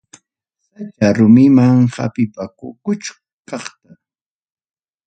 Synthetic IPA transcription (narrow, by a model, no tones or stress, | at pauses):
sat͡ʃaɾʊmɪmaŋha̰pɪpakʊkʊt͡ʃ | kɑχt̪a